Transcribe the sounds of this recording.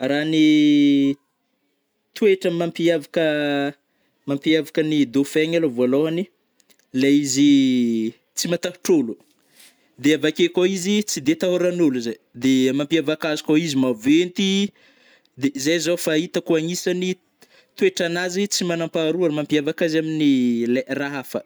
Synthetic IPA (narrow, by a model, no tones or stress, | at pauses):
rani | t̪ueʈ͡ʂəmampiavakə | mampiavakənid̪ofeɲalovaloɦani | laizi | t͡simat̪aɦu̥ʈ͡ʂolu | d̪eavakekaizit͡sid̪et̪aɦoɾanuluzaj | d̪emampiavakazikaizimavent̪i | d̪ezajzofait̪əkuaɲisani | t̪weʈ͡ʂanazit͡simanampaɾuamampiavakazaminileraɦafə